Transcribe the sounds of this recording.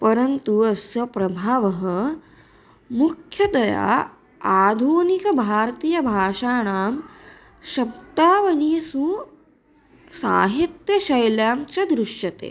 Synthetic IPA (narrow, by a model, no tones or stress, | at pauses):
pɐɾɐnt̪uɐsjɐpɾɐbʱaːʋɐɦɐ̆ | mukʰjɐd̪ɐja̰ː | aːd̪ʱuːnikɐbʱaːɾt̪iːjɐbʱaːʃaːɳaːm | ʃɐb̚t̪aːʋɐniːsu | sa̰ːɦit̪jɐʃɐjljaːmt͡ʃɐd̪ɾuʃjɐt̪ḛː